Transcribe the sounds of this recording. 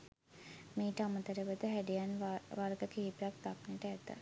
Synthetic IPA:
meːʈəamət̪əɾeʋət̪əɦæɖijanʋʋaɾɡəkeɦipejak̚d̪ak̚neʈəæt̪ːə̰

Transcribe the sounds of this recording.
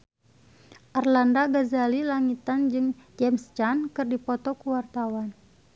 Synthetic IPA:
ʔarlandaɡazalilaŋit̪and͡ʒɨŋd͡ʒɛmst͡ʃankɨrdipɔt̪ɔkuwart̪awan

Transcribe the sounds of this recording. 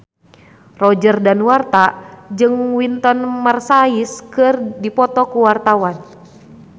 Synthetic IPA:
rɔd͡ʒərdanwart̪ad͡ʒɨŋwint̪ɔnmarsaiskɨrdipɔt̪ɔkuwart̪awan

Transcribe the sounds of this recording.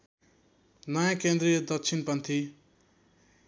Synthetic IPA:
nʌjãkend̪ɾijʌd̪ʌkt͡sʰinpʌnt̪ʰi

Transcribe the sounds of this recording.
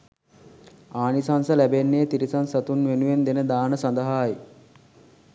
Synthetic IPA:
aːnisansəlæbenːeːt̪iɾisansat̪unʋenuʋend̪enəd̪aːnəsand̪əɦaːj

